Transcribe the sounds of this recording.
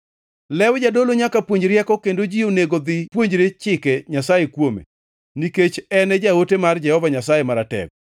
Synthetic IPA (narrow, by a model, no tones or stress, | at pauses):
lɛwd͡ʒadoloɲakapwoɲd͡ʒɾjɛkɔkendod͡ʒioneɡod̪ɪpwoɲd͡ʒɾet͡ʃɪkɛɲasajekwomḛ | niket͡ʃɛnɛd͡ʒaotemard͡ʒɛhɔvaɲasajemaɾatɛ̰k̚